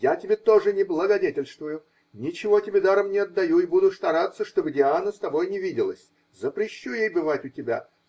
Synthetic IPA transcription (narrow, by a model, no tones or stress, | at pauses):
jatʲɪbʲet̪o̞ʐɨnʲɪblˠəɡɐdʲetʲɪlʲst̪vʊjʊ | nʲɪt͡ɕɪvo̞tʲɪbʲed̪aɾəmnʲɪɐd̪ːɐjuɪbud̪ʊst̪ɐɾat̪sːəʂt̪o̞bɨdʲɪanəst̪ɐbo̞jnʲɪvʲidʲɪlˠəsʲ | zəpɾʲɪɕːujejbɨvatʲʊtʲɪbʲa